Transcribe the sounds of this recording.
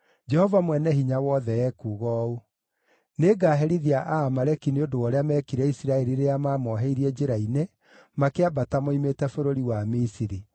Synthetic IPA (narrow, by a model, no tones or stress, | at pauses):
d͡ʒɛhɔvamwɛnɛɦiɲawɔðɛɛkuːɣɔːu | neɡaːɦɛɾiðiaʔaːmaɾɛkineodowɔɾeamɛːkiɾɛisiɾaɛɾiɾeamaːmɔɦɛiɾiɛd͡ʒeɾaine | makeabatamoimetɛfoɾoɾiwamisiɾi